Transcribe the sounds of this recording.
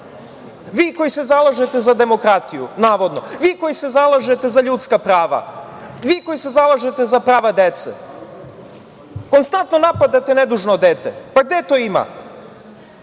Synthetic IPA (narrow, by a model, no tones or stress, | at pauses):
ʋiːko̞jisezalˠaʒet̪e̞zad̪e̞mo̞kɾat̪ijṵnaːʋo̞d̪no̞ʋiːko̞jise̞zalˠaʒe̞t̪e̞zaʎut̪skapɾaːʋa̰ | ʋiːko̞jise̞zalˠaʒe̞t̪e̞zapɾaːʋad̪et̪sḛ | ko̞nst̪ant̪no̞napad̪at̪ened̪uːʒnod̪eːt̪ḛpaɡ̚d̪et̪oːima̰